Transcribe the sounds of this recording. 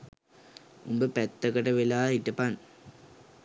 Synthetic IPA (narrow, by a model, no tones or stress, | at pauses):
umbəpɛt̪ːɐkɐʈɐʋelaːiʈːɐpan